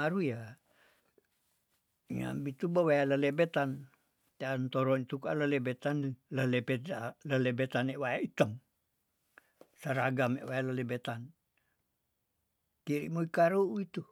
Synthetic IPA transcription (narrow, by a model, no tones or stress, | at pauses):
aɾuja | ɲa̰bit̪ubawajaləlebɛt̪an | t̪eant̪oɾɔnit̪uka̰ʔləlebɛt̪anləlebɛt̪aləlebɛt̪aneʔwajaʔit̪əŋ | saɾaɡamḛʔwajalalebɛt̪an | kiɾḭʔmoikaɾuit̪u